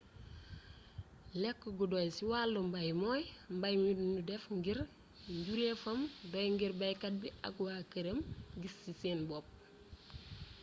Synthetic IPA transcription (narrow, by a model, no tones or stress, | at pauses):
lekːɡudojsiwaːlːumbajmojmbajmidnudɛfŋɡiɾ | ɲɟuɾefɐmdojŋɡiɾbajkat̚biʔa̰kwakɐɾəmɡisiseːnbop̚